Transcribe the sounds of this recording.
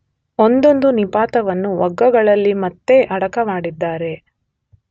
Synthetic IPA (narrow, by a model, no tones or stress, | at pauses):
ond̪o̞nd̪unipaːt̪ɐʋɐnːuʋɐɡːɐɡɐɭɐlːimɐt̪ːe̞ʔɐɽɐkɐmaːɽid̪ːaːɾe̞